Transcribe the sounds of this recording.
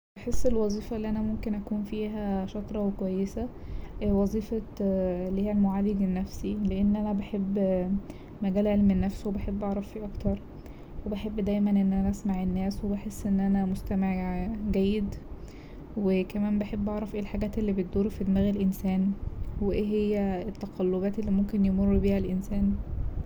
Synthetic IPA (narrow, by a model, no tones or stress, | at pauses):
beħesːelwɑzˤiːfɑʔelːiʔænæmomkenʔækuːnfiːɦæʃɑt̪ˤɾˤɑwekowæjːesæwɑzˤiːfɑlːihiːælmoʕaːleɡenːæfsileʔenːʔænæbeħebː | mæɡæːlʕelmenːæfswebeħebːʔɑʕɾˤɑffiʔɑkt̪ɑɾˤ | webeħebːd̪æjmænʔenːʔænæʔæsmaʕenːæːswebeħesːʔenːʔænæmost̪æmeʕɡæjːed̪ | wekæmæːmbeħebːʔɑʕɾˤɑfʔeːlħaɡæːt̪ʔelːiːbet̪̚d̪uːɾfid̪mæːɣelʔensæːnweʔeːɦejːæet̪ːæqɑlːobæːt̪elːiːmomkenjemorˤːbiːhælʔensæːn